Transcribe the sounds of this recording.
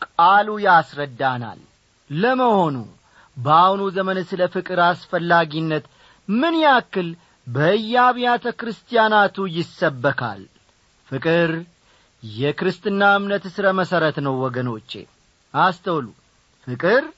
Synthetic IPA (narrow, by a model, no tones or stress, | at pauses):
kʼalujasɾəd̪ːana̰lː | əməho̞nṵ | bəawnuzəmənɨsɨləfɨkʼɨɾasfəlːaɡinːət̪ | mɨnjakːɨl | bəɨjːaβijat̪ʰəkɾɨst̪ʰʼijanat̪ʰujɪsːəbːəkʰa̰l | fɨkʼɨɾ | jɛkɾɨst̪ʼɨnːaɨmnət̪ɨsɨɾəməsəɾət̪nəwːɔɡəno̞t͡ʃːe̞̰ | ʔast̪ʰəwlu | fɨkʼɨɾ